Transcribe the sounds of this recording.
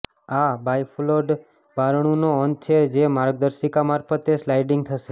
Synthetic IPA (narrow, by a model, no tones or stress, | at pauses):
abʱajfloɖ | baɾɳ̃ũnoən̚t͡ʃʰed͡ʒemaɾɡ̚d̪əɾʃikamaɾfət̪eslajɖiŋɡ̚t̪ʰəʃe